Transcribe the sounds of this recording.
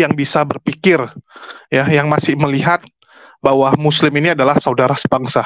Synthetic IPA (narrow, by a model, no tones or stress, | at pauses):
jaŋbisabərpikɪrjajaŋmasɪhməliɦat̪̚ | bawamuslɪminiadalahsaudaɾasə̥baŋsa